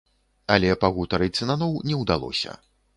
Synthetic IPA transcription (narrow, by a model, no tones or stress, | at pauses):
ɐlʲɛpɐɣut̪ɐɾɨsʲɨnanɔwnʲɛwd̪alˠɔ̰sʲɐ̰